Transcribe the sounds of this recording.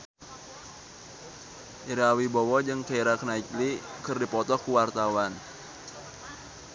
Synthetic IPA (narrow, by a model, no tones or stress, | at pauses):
iɾawibɔwɔd͡ʒɨŋkaiɾakənaiklikɨrdipɔt̪ɔkuwart̪awan